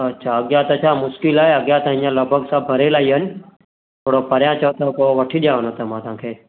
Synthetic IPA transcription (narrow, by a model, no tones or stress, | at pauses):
ət͡ʃʰaəɡjat̪ət͡ʃʰamʊʃkɪlajəɡjat̪ə̃jãləbʱəɡsabʱəɾelaiɦən | t̪ʰoːɽopəɾjãt͡ʃʰɔt̪okoʋəʈʰiɗjaːʋənət̪əmãːt̪ãːkʰeː